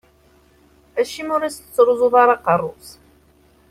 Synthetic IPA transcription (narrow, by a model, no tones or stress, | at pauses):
æʃimʊɾisət͡sːɾˤuzˤuðɑɾˤɑqərˤːʊs